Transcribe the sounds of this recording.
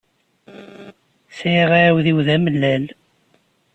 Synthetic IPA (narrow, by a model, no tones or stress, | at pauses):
sʁaawðiwðæməlːæl